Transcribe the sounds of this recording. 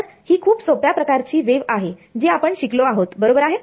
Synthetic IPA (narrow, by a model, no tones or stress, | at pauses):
hiːkʰuːpsopjapɾəkaɾt͡ɕiːʋeʋaɦed͡ʑiːapəɳɕikloaɦot̪bəɾobəɾaɦe